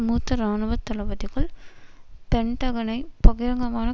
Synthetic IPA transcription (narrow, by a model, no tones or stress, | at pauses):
muːt̪ːɐɾaːnɯʋɐt̪ːɐlɐʋɐðɪɣɐɭ | pɛɳʈ̪ɐɣɐnɐɪpɐɣɪɾɐŋɡɐmaːnɐ